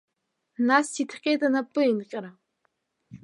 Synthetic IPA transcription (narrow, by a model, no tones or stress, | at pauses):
nasitʰqʲʼetʼanapʼɨinqʲʼɪɾa